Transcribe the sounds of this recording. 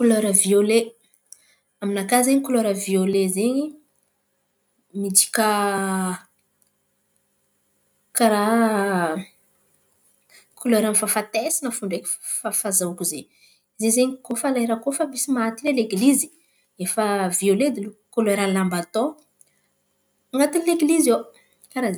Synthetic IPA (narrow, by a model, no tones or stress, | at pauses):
kuløɾəviole | aminakazeɲikuleɾəviolezeɲi | mid͡ʒi̥kə | kaɾa | kʰoleɾanifafat̪esinəfuɳɖ͡ʐekʲi̥fafazakuze | zezeɲikofalaeɾakofəmisimat̪ileleɡlizi̥ | efəvioled̪ilukoleɾalambat̪o | ŋɡat̪inileɡilizo | kaɾa